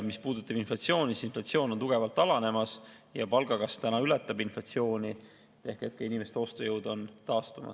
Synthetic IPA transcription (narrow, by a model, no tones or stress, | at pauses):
mispuːd̪ut̪ːˑɑb̥inflɑt̪sio̞ːnisinflɑt̪sio̞ːnont̪uɡ̥e̞vɑlt̪ːˑɑlɑne̞mɑs | jɑpɑlɡ̥ɑɡɑst̪ænɑylɛt̪ːˑɑbinflɑt̪sio̞ːnʲi | e̞hke̞t̪̚kɑinime̞st̪o̞st̪ojɤwd̪̥o̞nt̪ɑːst̪umɑ̰s